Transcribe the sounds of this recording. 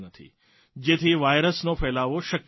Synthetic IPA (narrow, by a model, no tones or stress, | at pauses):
nət̪ʰḭ | d͡ʒet̪ʰiʋajɾəsnofɛːlaʋoʃək